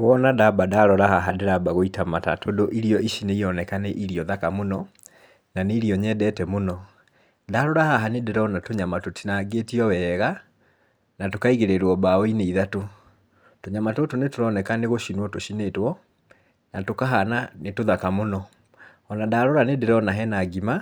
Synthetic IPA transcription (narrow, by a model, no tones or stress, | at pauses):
ɣɔnadabadaɾɔɾahaɦadeɾabaɣoitamata̰todoʔiɾiɔiʃineijɔnɛkaneʔiɾiɔðakamonɔ | naneiɾiɔɲɛdɛtɛmonɔ | daɾɔɾahaɦanedeɾɔɔnatoɲamatotinaɡetiɔwɛɣa | natokaiɣeɾeɾwɔbaɔineiðato | toɲamatotonetoɾɔnɛkaneɣoʃinwɔtoʃinetwɔ | natokaɦananetoðakamonɔ | ɔnadaɾoɾanedeɾɔnaɦɛnaɡima